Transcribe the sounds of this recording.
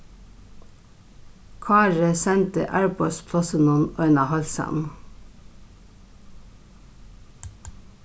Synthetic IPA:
kʰɑːɹəsɛnt̪ə̰ʔæːɹpʰɔspʰlɑsənɔnœʏnɑhɑlsɑ̰m

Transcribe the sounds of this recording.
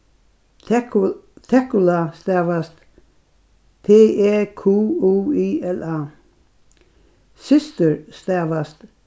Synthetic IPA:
t̪ʰɛkʊlast̪ɛːʋast̪ | t̪ʰeːɛkʰuuːiɛla | sɪst̪əɹst̪ɛvast̪

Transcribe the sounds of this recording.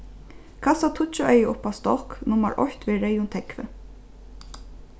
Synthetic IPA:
kʰɑːsɑt̪ʰʊt͡ʃʊʔœʏəʔʊpɑːst̪ɔknʊmə̰ɹʔɔ̰çt̪ʋeːɾeɪʊnt̪ʰɛkʋə

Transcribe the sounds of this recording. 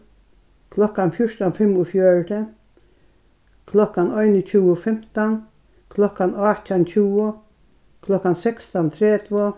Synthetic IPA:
kʰlɔkːanfjʊʂt̪anfɪmʊfjœɹd̪ə | kʰlɔkanɔjnɪt͡ʃʉːʊfɛm̥t̪an | kʰlɔkːanat̪ant͡ʃuːʊ | kʰlɔkːansɛkst̪ɔnt̪ʰɾɛːt̪ʋɔ

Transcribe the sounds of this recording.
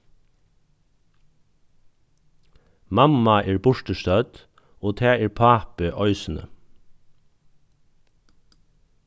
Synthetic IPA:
mɑmɑʔeːɹbʊɹʈəʃt̪œd̪̥ | oːt̪ʰæːeːɹpʰɑːpəʔœʏsn̩ə̰

